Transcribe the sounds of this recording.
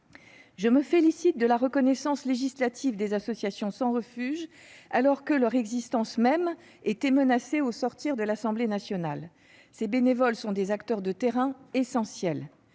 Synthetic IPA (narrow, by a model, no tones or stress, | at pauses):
ʒəməfelisit̪̚d̪əlaʁəkɔnɛsɑ̃sleʒislat̪ʰivd̪ezasɔsjasjɔ̃sɑ̃ʁəfyʒ | alɔʁkəlœʁɛɡzist̪ɑ̃smɛm | ɛt̪ɛmənaseosɔʁt̪iʁd̪əlasɑ̃blenasjɔnal | sebenevɔlsɔ̃d̪ezakt̪œʁd̪ət̪eʁɛ̃esɑ̃sjɛl